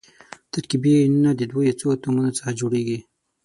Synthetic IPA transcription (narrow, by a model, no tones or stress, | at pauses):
t̪akibennad̪əd̪wojet͡sot̪umunot͡sə̥xad͡ʒoɽeɡi